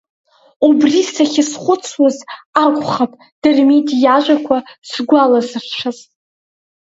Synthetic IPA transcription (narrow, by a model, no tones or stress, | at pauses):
ubrisaχʲɪsχʷʊt͡sʰwazakʷʼχapʼ | d̥ɨrmedijaʒʷakʷʰasɡʷalazɨrt͡ʃʷʰaz